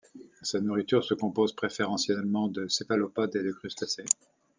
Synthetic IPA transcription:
sanuʁit̪yʁsəkɔ̃pozpχefeʁɑ̃sjɛlmɑ̃d̪əsevalopad̪ed̪əkχyst̪ase

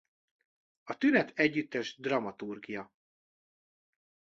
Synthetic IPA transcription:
ɒt̪ynɛt̪ʰɛɟːyt̪ːɛʒd̪rɒmɒt̪urɡijɒ

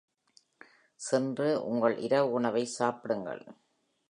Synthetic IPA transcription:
sɛndrɯʔʊ̰ŋɡɐɭʔɪ̰ɾɐʋʊɳɐʋɐɪsaːpɪɽɯŋɡɐ̰ɭ

